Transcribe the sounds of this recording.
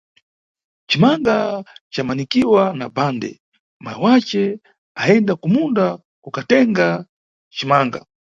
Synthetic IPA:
t͡ʃimaŋɡat͡ʃamanikiwanabandɛ̰ | ma̰jḭwat͡ʃɛ | aɛndakumunda | kukatɛŋɡa | t͡ʃimaŋɡa̰

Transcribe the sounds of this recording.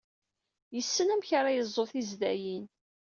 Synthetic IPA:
jəsːənæmçɾajəzˤːoθizd̪æjin

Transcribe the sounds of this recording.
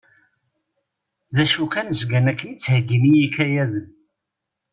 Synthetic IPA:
ðæʃukænzɡænækːənit͡sːhəɡːimijikæjæðə

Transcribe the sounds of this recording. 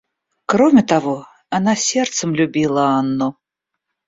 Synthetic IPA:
kɾɔmʲɛt̪avɔ | anasʲɛrt̪səmlʲubʲilˠɐanːɔ

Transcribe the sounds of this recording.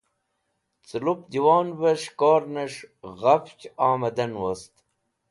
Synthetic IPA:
t͡silup̚d̪iwɑːnveʂkoːɾnɐʂʁɐft͡ʃɑːmɐd̪ɐnwost̪

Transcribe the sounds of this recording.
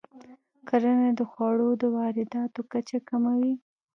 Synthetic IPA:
kaɾaned̪əxwɑɽod̪əwɑɾɪd̪ɑt̪okat͡ʃakamawi

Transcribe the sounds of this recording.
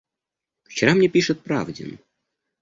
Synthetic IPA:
ft͡ɕɪɾamnʲepʲiʂɨt̪̚pɾa̰vdʲɪ̰n

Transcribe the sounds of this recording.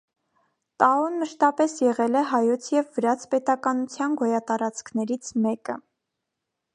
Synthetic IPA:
t̪ɑɔnməʃt̪ɑpɛsjɛʁɛlɛɦɑjɔt͡sʰjɛvːəɾɑt͡sʰpɛt̪ɑkɑnut͡sʰjɑnɡɔjɑt̪ɑɾɑt͡skʰnɛɾit͡sʰmɛkə

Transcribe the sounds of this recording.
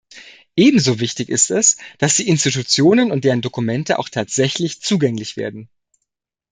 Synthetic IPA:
ʔeːbm̩zoːvɪçtɪçɪstɛsd̥asd̥iːɪnstitut͡sjoːnənʊnt̚d̥eːʁ̞əndokumɛntəʔa̰ʊxtʰaːtz̥ɛçlɪçt͡suːɡɛŋlɪçv̥ḛːɐdn̩

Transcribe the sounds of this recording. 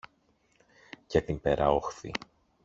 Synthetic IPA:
cet̪impeɾʔɐo̞xθḭ

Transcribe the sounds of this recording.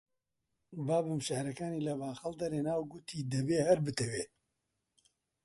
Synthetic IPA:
baːbɨmʃɛhɾɐkaːniːlɐbaːxɐld̪ɐɾeːnaːwɡut̪ʰiːd̪ɐbeːhɐɾbɨt̪ʰɛweː

